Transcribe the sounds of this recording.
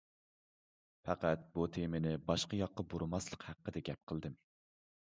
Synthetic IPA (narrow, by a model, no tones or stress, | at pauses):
fɛqæt̪̚but̪ʰemɪnɪbɑʃqɑjɑqːɑboɾmɑslˠəqhæqːəd̪ɛɡʲɛp̚qʰəlˠd̪ɨm